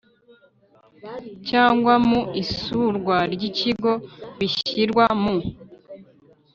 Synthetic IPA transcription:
caːŋɡwamuisuɾɡwaɾɟiciɡo̞βiçiɾɡwamu

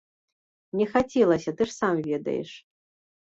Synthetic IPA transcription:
nʲɛxat͡sʲɛlˠɐsʲɐt̪ɨʂsamvʲɛd̪ɐ̰jɛ̰ʂ

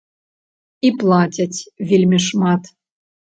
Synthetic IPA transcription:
iplˠɑtʲatʲvʲilʲmʲɘʃmɑt̪

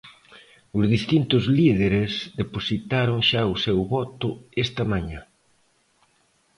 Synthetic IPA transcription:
ʊzðist̪int̪ʊzliðeɾezðeposit̪aɾʊŋʃaʊsewβɔt̪ʊɛst̪ɐmaɲa

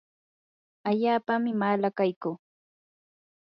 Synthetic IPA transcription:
aʎaːpamɪmalakajkuː

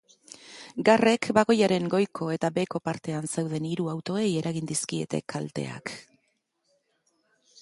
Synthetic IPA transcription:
ɡare̞kbaɣo̞jaɾe̞ŋɡo̞jkʰo̞e̞t̪abe̞ko̞paɾt̪e̞ansewðe̞niɾuawt̪o̞e̞je̞ɾʔaɣind̪iskie̞̰t̪e̞̰kʰalt̪e̞̰a̰k

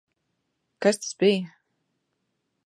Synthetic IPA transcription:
kast̪ḁsbij

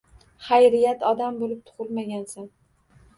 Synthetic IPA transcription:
χajɾɪjat̪ʰɒd̪ambolɪp̚t̪ʰʊ̥ʁɨlˠmaɡʲansan

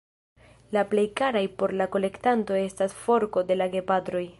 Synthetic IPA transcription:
laple̞jkaɾajpo̞ɾlako̞le̞ktanto̞e̞stasfo̞ɾko̞de̞laɡe̞patɾo̞j

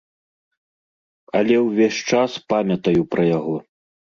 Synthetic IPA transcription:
ɐlʲɛwvʲeɕʲt͡ʂaspamʲɐt̪ɐjupɾɐjaɣɔ

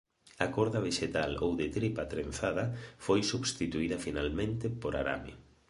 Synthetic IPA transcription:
ɐkoɾðɐβ̞eʃet̪alowðet̪ɾipat̪ɾenθaðɐfojsuβst̪it̪uiðɐfinalmẽnt̪ɪpoɾa̰ɾa̰mḭ

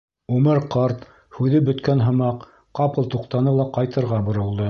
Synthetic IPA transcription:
umɘɾqɑɾt̪ | hʉðɘbɵ̆t̪kænɦɤ̆mɑq | qɑpɤ̆lˠt̪uqt̪ɑnɤlˠɑqɑjt̪ɤ̆ɾʁɑbŏɾɤ̆lˠd̪ɤ

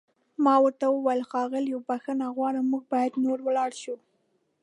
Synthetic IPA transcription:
mɑwəɾt̪awəwajalxɑɣɪljowbaxənaɣwɑɽamuɡ̚bɑjad̪noɾwəlɑɽʃu

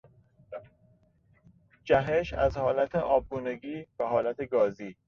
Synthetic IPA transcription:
d͡ʒæɦeʃæzhɒːlæt̪ʰeʔɒːb̚ɡuːneɡiːvæɦɒːlæt̪ʰeɡɒːziː

